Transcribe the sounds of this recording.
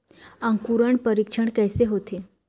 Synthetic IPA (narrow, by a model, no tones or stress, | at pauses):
ãŋkuɾəɳpəɾikʂəɳkəjseɦot̪ʰe